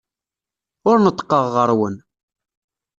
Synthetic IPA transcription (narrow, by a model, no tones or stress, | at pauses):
ʊɾnət̪ˤːə̥qːəʁːəɾˤwən